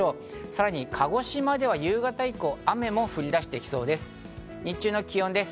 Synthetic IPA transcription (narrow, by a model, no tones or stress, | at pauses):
o̞ː | saɾaɲ̟ikʰaɡo̞ɕimad̪e̞β̞ajɯːɡat̪aiko̞ːame̞mo̞ɸɯ̟ɾʲid̪aɕi̥t̪e̞kʲi̥so̞ːd̪e̞sɨ̥ | ɲit͡ɕɨːno̞kʲijõ̞nd̪e̞sɨ̥